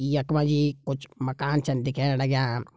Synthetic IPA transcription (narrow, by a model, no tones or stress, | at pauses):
ijɐkmad͡ʒiːkʊt͡ʃmɐkaːnt͡ʃɐnd̪ikeːnɐɽɐɡjaː